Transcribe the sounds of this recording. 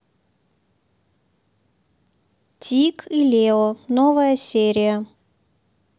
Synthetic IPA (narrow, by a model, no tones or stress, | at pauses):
tʲʰikʰilʲeɔnovəjəsʲeɾʲɪjə